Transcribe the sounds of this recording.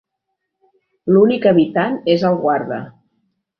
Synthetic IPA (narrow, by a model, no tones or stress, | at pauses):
lunikəβit̪anezəlˠɣwaɾðə̰